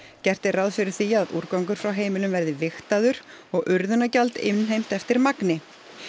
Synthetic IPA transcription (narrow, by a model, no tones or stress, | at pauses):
cɛr̥t̪ɪraðfɪɾɪɾ̥θiːaaðṵɾkawŋkʏɾ̥fɾawɦeːjmɪlʏmvɛɾðɪvɪxt̪aðʏɾ̥ | ɔɣʔʏɾðʏnacalt̪ɪ̰mnɦejm̥t̪ɛft̪ɪɾmaknɪ